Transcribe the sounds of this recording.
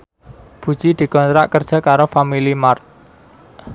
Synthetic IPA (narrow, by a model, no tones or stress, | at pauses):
b̥ṳd̥d͡ʒ̥id̪̥i̤kɔnt̪ɾaʔkərd̥ʒ̥a̤kaɾofamilimart̪̚